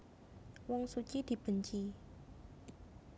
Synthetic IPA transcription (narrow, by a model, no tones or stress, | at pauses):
wɔŋsut͡ʃid̪̥i̤b̥ə̤ɲt͡ʃi